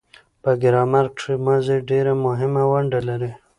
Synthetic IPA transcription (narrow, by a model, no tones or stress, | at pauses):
pəɡɪɾɑmaɾkimazeɖeɾamʊɦɪmawaɳɖalaɾi